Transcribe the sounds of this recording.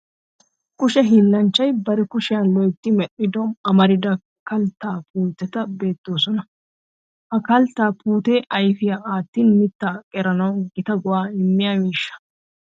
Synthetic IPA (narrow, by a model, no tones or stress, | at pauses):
kʊʃɛɦilːɐnt͡ʃːɐjbɐɾɛkʊʃɪjɐnlɔjt̪ːɪmɛɗɪd̪ɔmɐmɐɾɪd̪ɐ | kɐlt̪ːaːpuːt̪ːɛt̪ɐbe̞ːt̪ːoːsɔnɐ | hɐkɐlt̪ːaːpuːt̪eːʔɐjfɪjaaːt̪ːiːnmɪt̪ːaːkʼɛɾɐnɐwɡɪt̪ɐɡʊwaːɪmːɪjaːmiːʃːɐ̥